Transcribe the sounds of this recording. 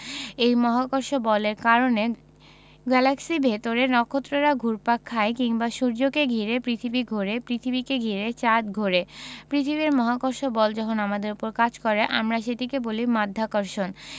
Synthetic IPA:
ejmɔɦakoɾʃobɔleɾkaɾone | ɡɛlaksibʱet̪oɾenɔkʰːot̪ːɾoɾaɡʱuɾpakʰːaekiŋbaʃuɾd͡ʑokeɡʱiɾepɾit̪ʰibiɡʱoɾepɾit̪ʰibikeɡʱiɾet͡ɕad̪ɡʱoɾepɾit̪ʰibiɾmɔɦakoɾʃobɔld͡ʑɔkʰonamad̪eɾupoɾkad͡ʑkɔɾeʔamɾaʃed̪ikebolimad̪ʱːakoɾʃon

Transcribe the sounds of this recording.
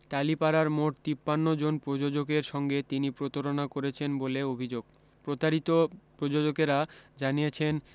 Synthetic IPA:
t̪alipaɾaɾmoʈ̚t̪ipːanːod͡ʑonpɾod͡ʑod͡ʑokeɾʃɔŋɡet̪inipɾot̪oɾonakoɾet͡ɕʰenboleobʱid͡ʑoɡ̚ | pɾot̪aɾit̪opɾod͡ʑod͡ʑokeɾad͡ʑanijet͡ɕʰen

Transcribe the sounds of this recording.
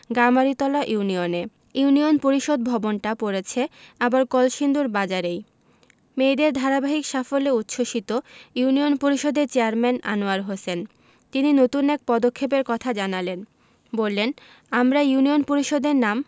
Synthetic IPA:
ɡamaɾit̪ɔlaʔjunione | uunionpoɾiʃod̪̚bʱɔbonʈapoɾet͡ɕʰeabaɾkɔlʃind̪uɾbad͡ʑaɾej | mejd̪eɾd̪ʱaɾabaɦikʃafoleut̪ːʃoʃit̪ojunionpoɾiʃod̪eɾt͡ɕeaɾmɛna̰noaɾɦosen | t̪ininot̪unɛk̚pɔd̪okʰːep̬eɾkɔt̪ʰad͡ʑanalen | bolːen | amɾajiunionpoɾiʃod̪eɾnam

